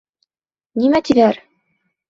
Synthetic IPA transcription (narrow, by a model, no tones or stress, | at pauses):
nimæt̪iðæɾ